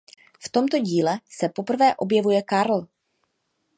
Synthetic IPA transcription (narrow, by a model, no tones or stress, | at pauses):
ft̪o̞mt̪o̞ɟiːlɛsɛpo̞pr̩vɛːʔo̞bjɛvujɛkaɾl̩